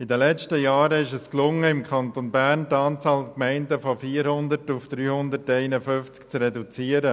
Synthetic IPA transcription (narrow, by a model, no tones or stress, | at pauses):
ɪdəlɛt͡ʃtəjɑːɾəɪʃɛsklʊŋːəɪmkʰɑntonbærntɑːnt͡sɑːlkmɛɪndəfɔfiːəɾhʊndətufd̥ɾyːhʊndəɾtɛɪnəfønft͡skt͡srɛdut͡siəɾə